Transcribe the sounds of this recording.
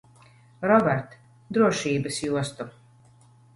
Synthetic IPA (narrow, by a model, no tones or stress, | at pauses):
ɾɔbɛɾt̪ | d̪ɾuɔʃiːbɐsjuɔst̪u